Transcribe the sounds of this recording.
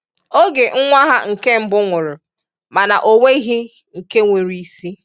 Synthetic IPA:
o˦ɡe˨ŋ̩˦ŋʷa˦ɦa˦ŋ̩˨ke˦m̩˦bʊ˦ŋʷʊ˨ɾʊ˨ | ma˨na˨ʔo˨ŋʷe˦i˦ɦi˦ | ŋ̩˨ke˦ŋʷe˨ɾi˨i˦si˦

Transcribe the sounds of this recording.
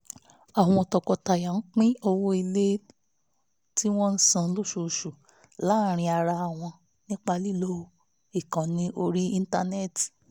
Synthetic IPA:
a˨w̃ɔ̃˧˨tɔ˧kɔ˧ta˨ja˨n̩˦k͡pĩ˦o˧wo˦i˧le˦ | ti˦w̃ɔ̃˦n̩˦sã˧˨˦lo˦˨ʃo˧˨ʃu˨ | la˨˦˨ɾ̃ĩ˧a˧ɾa˧a˨w̃ɔ̃˧ | nĩ˦k͡pa˧li˦lo˦˧ | i˨kã˨nĩ˨˦ʔo˧ɾi˦ĩ˧n̩˦ta˧ne˦˨ti̥˨

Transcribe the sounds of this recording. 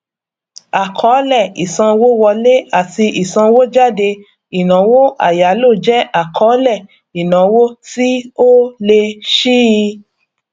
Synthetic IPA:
a˨kʰɔ˨˦lɛ˦˨i˨sã˧wo˦wɔ˧le˦a˦˨ti˧ʔi˨sã˧wo˦d͡ʒa˦˨de˧ | i˨nã˨˦wo˦ʔa̰˨ja˨˦lo˦˨d͡ʒɛ˦ʔa˦˨kʰɔ˨˦lɛ˦˨ | i˨nã˨˦wo˦ti˦o˦le˧ʃi˦˧

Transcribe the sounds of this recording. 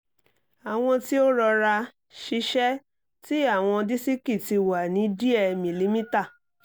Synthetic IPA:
a˨w̃ɔ̃˧ti˦o˦ɾɔ˧ɾa˧ | ʃi˧˦ʃɛ˦ | ti˦a˦˨w̃ɔ̃˧di˦si˦ki˦˨ti˧wa˨nĩ˨˦di˦ɛ˧mĩ˨li˨˦mĩ˦ta˦˨

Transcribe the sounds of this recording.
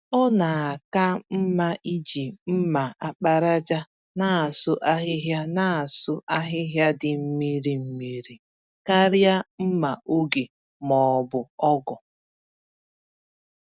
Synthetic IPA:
ɔ˦na˨a˨ka˦m̩˦ma˦ʔi˦d͡ʒi˨m̩˦ma˨a˨k͡pa˦ɾa˦d͡ʒa˦ | na˦˨a˨sʊ˦ʔa˦ɦɪ˦ɦja˦na˦˨a˨sʊ˦ʔa˦ɦɪ˦ɦja˦dɪ˨m̩˦mi˦ɾi˨m̩˨mi˨ɾi˨ | ka˦ɾja˦m̩˦ma˨ʔo˦ɡe˨ | mɔ˨bʊ˨ɔ˦ɡɔ˨

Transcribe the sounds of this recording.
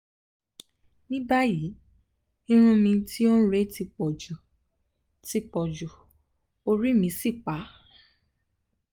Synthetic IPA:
nĩ˦ba˦ji˨˦ | ĩ˦ɾ̃ũ˧mĩ˧ti˦o˦ɾe˦ti˧k͡pɔ˨d͡ʒu˨ | ti˧k͡pɔ˨d͡ʒu˨ | o˧ɾi˦mĩ˧˦si˦˨k͡pa˨˦

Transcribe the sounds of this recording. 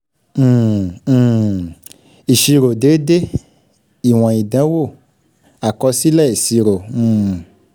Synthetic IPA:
i˨ʃi˧ɾo˨de˨˦de˦ | i˨w̃ɔ̃˨i˨dɛ̃˨˦wo˦˨ | a˨kɔ˧si˦lɛ˦˨i˨si˧ɾo˨ũ˨

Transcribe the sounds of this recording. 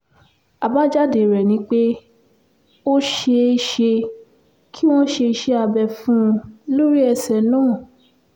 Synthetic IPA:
a˨ba˦d͡ʒa˦˨de˨ɾɛ˨nĩ˨˦k͡pe˦ | o˦ʃe˧ʃe˧ | kʰi˦w̃ɔ̃˦ʃe˧ʃe˧a˧bɛ˧˨fũ˦˧lo˦ɾi˦ɛ˧sɛ˧˨nɔ̃ː˦˨

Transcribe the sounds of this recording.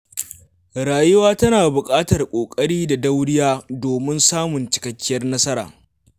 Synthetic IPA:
ɾaː˨jʊ˦waː˦tɐ˦naː˨bʊ˨kʼaː˦tɐ˨rkʷʼoː˨kʼɐ˦ɽiː˦da˨dɐ˦wɽɪ˦jaː˦doː˨mɪ˦nsaː˦mʊ˨nt͡ʃɪ̥˨kɐ˨kʲːɪ˦jɐ˦rnɐ˦sɐ˦ɾa̰ː˨

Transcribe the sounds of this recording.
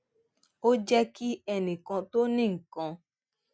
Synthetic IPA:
o˦d͡ʒɛ˦ki˦ɛ˧nĩ˨kɔ̃˧to˦nĩ˦˨ŋ̩˨kɔ̃˧

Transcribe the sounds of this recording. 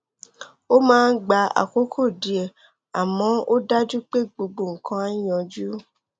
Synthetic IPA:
o˦mãː˦˧n̩˦ɡ͡ba˧˦a̰˨ko˨˦kʰo˦˨di˨˦ɛ˨ | a˨mɔ̃˦o˦da˦d͡ʒu˦k͡pe˦ɡ͡bo˧ɡ͡bo˨ŋ̩˨kʰã˧˦a˦jɔ̃˧d͡ʒu˦

